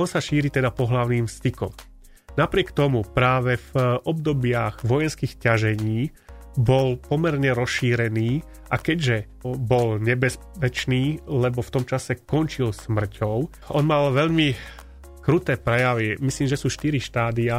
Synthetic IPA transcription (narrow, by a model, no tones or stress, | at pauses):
ɔnsaʃiːɾit̪ɛd̪apɔɦlaʊniːmfst̪ikɔ̰m | napɾɪɛkt̪ɔmupɾaːʋɛvʔɔb̚d̪ɔbɪaɣʋɔjɛnskixcaʒɛɲiː | bɔlpɔmɛɾɲɛɾɔsʃiːɾɛniː | ʔakɛɟʒɛ | bɔlɲɛbɛs | ɛt͡ʃniːlɛbɔft̪ɔmt͡ʃasɛkɔnt͡ʃilsmr̩cʰɔʊ | ɔnmalʋɛʎmi | kɾut̪ɛːpɾɛjaʋimisliːmʒɛsuːʃt̪iɾiʃt̪aːd̪ia